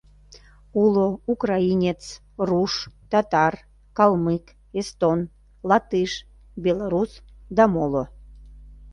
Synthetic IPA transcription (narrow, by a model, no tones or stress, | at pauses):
uloukrɑinʲet͡s | ruʃt̪ɑt̪ɑr | kɑlˠmɨk | est̪on | lɑt̪ɨʃ | bʲelaɾusd̪ɑmolo